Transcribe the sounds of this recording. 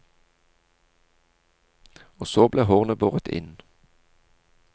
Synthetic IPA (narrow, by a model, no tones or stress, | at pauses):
oːsoːbleːhɔːʁnəboːʁət̪ʰɪ̰n